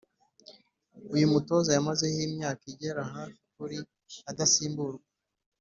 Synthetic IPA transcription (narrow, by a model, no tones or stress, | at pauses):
ujumuto̞ːzajamaze̞himɲaːkiɟe̞ɾaɦakuɾi | adasiːmbuɾɡwwa